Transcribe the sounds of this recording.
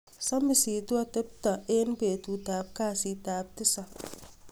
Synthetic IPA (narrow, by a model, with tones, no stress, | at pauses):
sa˦mbi˨siː˨tu˦a˦te˦p̚ta˨e˦n˦be˨tu˨taː˨b̚kaː˦˨si˨taː˨b̚tɪ˦sa˨